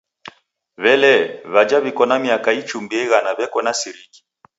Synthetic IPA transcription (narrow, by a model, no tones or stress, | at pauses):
βɛlɛβad͡ʒaβikɔnamiakait͡ʃumbiɛɣanaβɛkɔnasiɾiki̥